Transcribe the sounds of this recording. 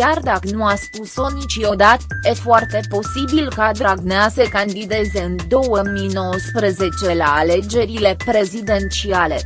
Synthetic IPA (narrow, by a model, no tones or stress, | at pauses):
kʲjard̪akənuaspuso̞nit͡ʃjo̞d̪at̪jefoart̪e̞po̞sibilkad̪ɾaɡneasəkand̪id̪e̞ze̞ɨnd̪o̞wəmijno̞wəspɾəze̞t͡ʃe̞laːle̞d͡ʒe̞ɾile̞pɾe̞zid̪e̞nt͡ʃiale̞̰